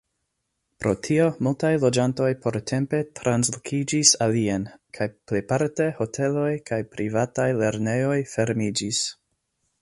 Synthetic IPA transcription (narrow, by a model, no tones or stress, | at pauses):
pɾʔo̞tʰio̞multajlo̞d͡ʒanto̞jpʰo̞ɾtʰe̞mpe̞tɾanslokʰid͡ʒisalienkʰajplejpaɾte̞ho̞tʰe̞lo̞jkʰajpɾivatajle̞ɾne̞jo̞jfe̞ɾmid͡ʒis